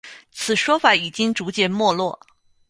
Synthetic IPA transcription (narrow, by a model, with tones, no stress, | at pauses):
t͡sʰɹ̩˨˩ʂwɔ˥fa˧˩˦i˨˩t͡ɕi˥ŋʈ͡ʂu˧˥t͡ɕjɛ˥˩nmwɔ˥˧lwɔ˥˩